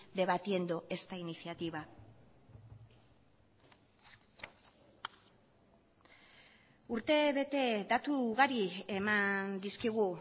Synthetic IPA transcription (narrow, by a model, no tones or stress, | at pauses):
d̪e̞βat̪ie̞nd̪oʔe̞st̪ainisiat̪iβa | uɾt̪e̞βe̞t̪e̞d̪at̪uɣaɾie̞mand̪iskiɣ̞u